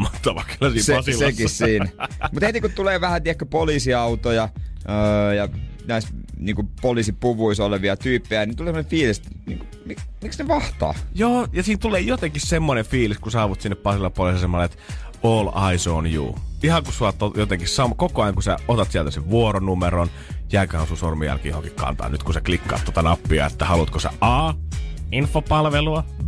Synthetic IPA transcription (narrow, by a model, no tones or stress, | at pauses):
mɑt̪ːɑʋɑkylːɑsiːseɑsilekissiːnmut̪het̪ikut̪uleːʋæhæt̪iækkːøpolisiɑut̪ojɑəːjɑnæisniːŋkupolisipuʋuisoleʋiɑt̪yːpːejænint̪uleˑsemːonefiːliset̪nḭːŋku | mimiksneʋɑht̪ɑ̰ːjoːjɑsiːnt̪uleːjot̪eŋkissemːonefiːliskusɑːʋut̪sinːeppɑsilːɑpolisːsemːɑlːet̪oːlɑisoːnjṵːihɑkusuɑt̪ːojot̪eŋkissɑmkokoɑjɑŋkusæ̰ot̪ɑt̪siælt̪æseʋʋuoronumeɾon | jæːkøhænsunsormijæ̰lkijohoŋkikkɑ̰nt̪ɑ̰ːnnyt̪kusæklikːɑ̰ːt̪ːot̪ɑnɑpːiɑ̰ḛt̪ːæhɑlut̪kosḛʔɑːinfopɑlʋeluɑ